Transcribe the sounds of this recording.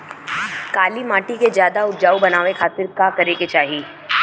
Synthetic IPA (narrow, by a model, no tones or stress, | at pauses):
kaːlimaːʈikezjaːd̪aʊʈd͡ʒaːubɐnaːʋekʰaːt̪ɪɾkaːkɐɾeket͡ʃaːɦiː